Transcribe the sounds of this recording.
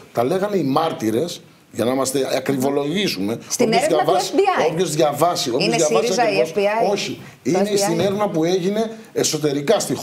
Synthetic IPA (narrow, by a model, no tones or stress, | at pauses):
t̪ɐle̞ɣɐneimɐɾt̪iɾe̞s | ʝɐnɐmɐst̪e̞ɐkɾivo̞lo̞ʝisume̞soipnozʝɐvɐsopço̞zðʝɐvɐsioioðʝɐvɐsɐeo̞çi | ineist̪ineɾvnɐpue̞ʝine̞ː | so̞t̪̬e̞ɾikɐst̪ix